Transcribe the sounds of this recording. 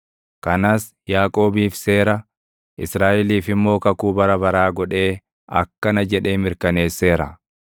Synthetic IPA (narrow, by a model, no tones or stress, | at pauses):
kɐnaːs | jaːkʼo̞ːbiːfse̞ːɾɐ | ʔɪsɾaːʔɛliːfɪmːo̞ːkɐkuːbɐɾɐbɐɾaːɡɔᶑe̞ː | ɐ̰kːɐnɐd͡ʒɛᶑe̞ːmɪɾkɐne̞ːsːe̞ːɾɐ̰